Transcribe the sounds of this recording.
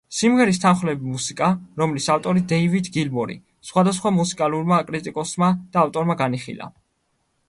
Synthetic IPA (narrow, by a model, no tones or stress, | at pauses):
simʁɛɾis̬t̪ʰanχlɛbimusikʼaɾɔmlisaft̪ʼɔɾid̪ɛivid̪ɡilmɔɾḭ | sχwad̪as̬χwamusikʼaluɾmakʼɾit̪ʼikʼɔsmad̪̥aːft̪ʼɔɾmaɡaniχḭla̰